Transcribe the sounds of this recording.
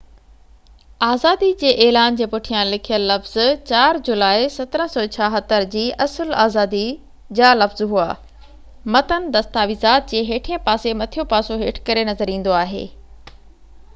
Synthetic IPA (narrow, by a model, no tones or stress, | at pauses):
aːzaːd̪id͡ʑeːʔɛːlaːnd͡ʑeːpʊʈʰijãlɪkʰijəlːɐfz̥t͡ɕaːɾd͡ʑʊlaːisɐt̪əɾə̃sɔːt͡ɕʰaːɦət̪əɾd͡ʑiːʔɐsəlaːzaːd̪i | d͡ʑaːlɐfzɦuaː | mɐt̪ənɪ̆d̪ɐst̪aːʋizaːt̪̚d͡ʑeːɦeːʈʰijə̃paːsemɐt̪ʰijopaːsoɦeːʈʰkɐɾenɐzəɾĩːn̆d̪oaːɦḛː